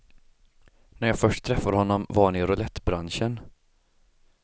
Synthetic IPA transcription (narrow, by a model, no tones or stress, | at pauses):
næɾjɑːfœʂʈt̪ʰːɾɛfːaɾhɔnːɔmvaɳɪɾʊlɛt̪ːbɾanʂən